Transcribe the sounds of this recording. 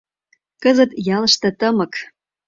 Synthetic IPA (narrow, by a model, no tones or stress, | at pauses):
kəzət̪jɑlə̆ʃt̪ɤ̆t̪əmɤ̆k